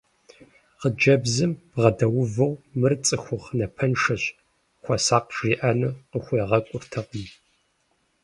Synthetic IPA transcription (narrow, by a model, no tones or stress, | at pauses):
qəd͡ʒɐbzɨmbʁɐdɐwʊvɨwmɨrt͡sʼɨxʷʊχnɐpʰɐnʂɐɕʼ | xʷɔsaːqʒiːʔɐnɨqəxʷeːʁɐkʷʼʊrtʰɐqəm